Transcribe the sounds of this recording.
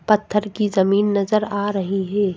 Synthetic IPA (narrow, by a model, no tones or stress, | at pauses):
pɐt̪ʰːəɾkizɐmiːnːɐzəɾaːɾɐɦiɦɛː